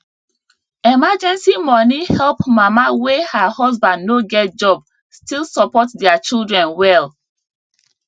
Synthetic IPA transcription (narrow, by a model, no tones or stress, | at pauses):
ɛmad͡ʒɛ̃nsimɔnihɛlˠpmamawehahɔzbãndnoɡɛt̚d͡ʒɔb | stilˠsɔpɔtdɛat͡ʃilˠdɹɛ̃nwɛlˠ